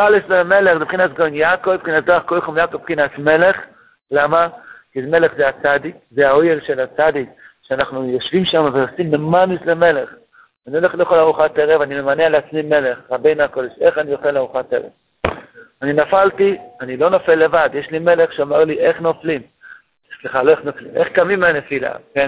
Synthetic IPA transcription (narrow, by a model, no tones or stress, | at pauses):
alesleme̞le̞χzepχinasɡoinjakovpχinasd̪oaχkojχomjakovpχinasme̞le̞χ | lamakizme̞leχzeat͡sad̪ikzehaojelʃe̞lat͡sad̪ikʃeanaχnujo̞ʃvimʃamaveosimlemanisleme̞leχ | anioleχlejoχalaʁuχateʁevanimemanealeat͡smime̞le̞χʁabejnuakod̪eʃe̞χanijoχalaʁuχatḛʁḛv | aninafaltianilo̞nofe̞lːe̞vad̪jeʃlime̞le̞χʃeamaʁliʔe̞χnoflim | sliχaloeχnoflḭmʔeχkamimanefila̰ken